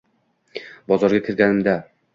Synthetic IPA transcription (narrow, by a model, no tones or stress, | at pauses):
bɒzɒɾɡʲakʲʰɪɾɡʲanɪmd̪a